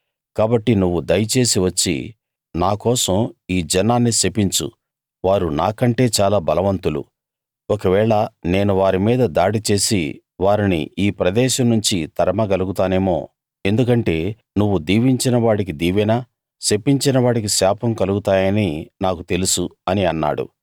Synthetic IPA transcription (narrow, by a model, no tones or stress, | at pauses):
kaːbɐʈːinuʋːud̪ɐjɐt͡ʃe̞ːsiʋɐt͡ʃːḭ | naːkɔːsɐmiːd͡ʒɛnaːnːisepːiɲt͡ʃṵ | ʋaːɾuna̰ːkɐɳʈe̞ːt͡ʃaːlaːbɐlɐʋɐnt̪ulṵ | ɔkɐʋɛːɭɐne̞ːnuʋaːɾimiːd̪ɐd̪aːɽit͡ʃe̞ːsḭ | ʋaːɾinḭiːpɾɐd̪ɛːʃɐmnuɲt͡ʃit̪ɐɾɐmɐɡɐluɡut̪aːne̞ːmo̞̰ː | e̞nd̪ukɐɳʈe̞ː | nuʋːud̪iːʋiɲt͡ʃinɐʋaːɽik̬id̪iːʋɛnaː | se̞pːiɲt͡ʃinɐʋaːɽik̬isaːpʰɐmkɐluɡut̪aːjɐninaːkut̪e̞lusuɐniɐnːa̰ːɽṵ